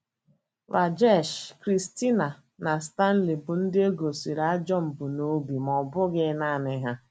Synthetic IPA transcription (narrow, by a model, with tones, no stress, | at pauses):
ɾa˨d͡ʒɛ˦˨ʃkɾi˨sti˦na˨ | na˨sta˦n̩˦li˨bʊ˨n̩˦dɪ˦e˦ɡo˨si˨ɾa˦d͡ʒɔ˦m̩˨bʊ˨no˦bi˨mɔ˨bʊ˦ɡɪ˦na˦˨nɪ˨ɦa˦